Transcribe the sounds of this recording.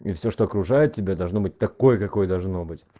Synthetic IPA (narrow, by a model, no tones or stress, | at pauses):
ifsʲoʂt̪o̞ɐkɾʊʐajɪt̪̚ʲtʲɪbʲad̪ɐlˠʐno̞bɨt̚ʲt̪ɐko̞jəkɐko̞jəd̪ɐlˠʐno̞bɨtʲ